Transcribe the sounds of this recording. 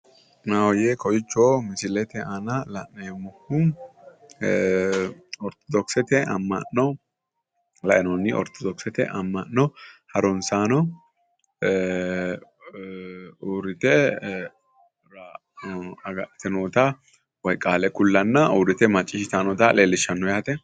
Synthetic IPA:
nawɔjekɔjɪt͡ʃːoːmɪsɪlɛt̪ɛʔɐnɐlɐnnemːɔhu | ɔɾt̪ɔ̥d̪ɔksɛt̪ɛɐ̰mːɐ̰nːɔ | lɐʔɛnɔnːɪʔɔ̰ɾt̪ʰɔd̪ɔksɛt̪ɛ̰ʔɐmːɐnːɔhɐɾɔnsaːnɔ | uɾɪt̪ɛ | ɾa | ɐɡɐʔɛt̪ɛnoːt̪ɐ | wɔjkʼːaːlɛkʊlːɐnːɐuːd̪ɛt̪ɛmɐt͡ʃʼːɪʃɪt̪anɔt̪ɐleːlːɪʃːɐnːɔjaːt̪ɛ

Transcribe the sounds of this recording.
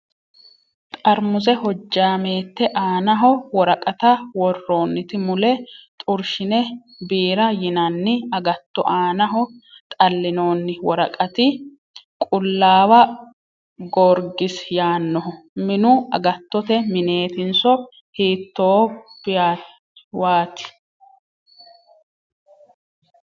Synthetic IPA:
t̪ʼɐɾmʊzɛhɔd͡ʒːaːme̞ːt̪ːɛʔaːnɐɦɔwɔɾɐkʼɐt̪ɐwɔrːoːnːɪt̪ɪmʊlɛt̪ʼʊɾʃɪnɛ | biːɾɐjɪnɐnːɪɐɡɐt̪ːɔʔaːnɐɦɔ | t̪ʼɐlːɪnoːnːɪwɔɾɐkʼɐt̪ɪ | kʼʊlːaːwɐ | ɡoɾɡɪsjaːnːɔɦɔ | mɪnʊɐɡɐt̪ːɔt̪ɛmɪne̞ːt̪ɪnsɔ | hiːt̪ːoːb̥a | waːt̪ɪ̥

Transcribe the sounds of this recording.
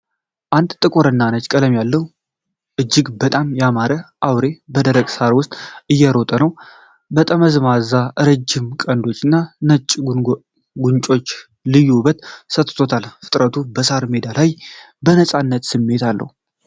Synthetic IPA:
ʔand̪t̪ʼɨkʼoɾɨnːanət͡ʃkʼələmjalːəh | ʔɨd͡ʒːɪɡbət̪ʼamjamaɾəʔawɾe̞bəd̪əɾəkʼsaɾwʊst̪ʼɨjːɛɾot̪ʼənəw | bət̪ʼəməzmazaʔɨɾɨd͡ʒːɪmkʼənd̪o̞t͡ʃːɨnːanət͡ʃʼː | ɡuɲt͡ʃʼo̞t͡ʃː | lɨjːubət̪sət̪ʼt̪ʰo̞t̪ʰalfɨt̪ʼɾət̪ʰubəsaɾmed̪alaj | bənəsʼanːət̪sɨmːe̞t̪ʰalːə̰hu

